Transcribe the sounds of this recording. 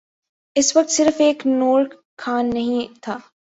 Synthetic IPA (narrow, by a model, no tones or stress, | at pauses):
ɪswʋɐk̚t̪sɪɾfeːknoːɾ | kʰːaːnːɐɦĩt̪ʰaː